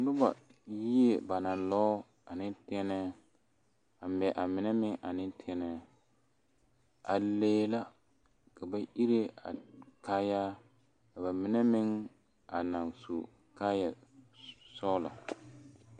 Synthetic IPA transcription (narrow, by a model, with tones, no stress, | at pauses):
lʊ˦ba˨ji˦e˨ba˨nã˨lɔː˦ | a˨nɪ˦ntɛ˦nɛ˦ | a˨m˨bɛ˨ʔa˨mɪ˨nɛ˦mɪ˦ŋʔa˨nɪ̃˦ntʰɛ˦nɛ˦ | a˨leː˦la˦ | ka˨ba˨ʔi˦ɾe˦a̰˨ka˦ja˦ | ka˨ba˨mɪ˨nɛ˦mɪ˦ŋ | a˨na˨ŋsṵ˨ | kaː˦ja˨ | sɔː˦la̰˨